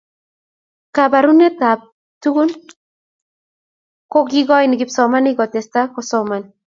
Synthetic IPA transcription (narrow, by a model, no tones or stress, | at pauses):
kabaɾunet̪ap̚ | tuɡun | koɡiɡɔjniɡipsɔmaniɡɔt̪est̪akosɔman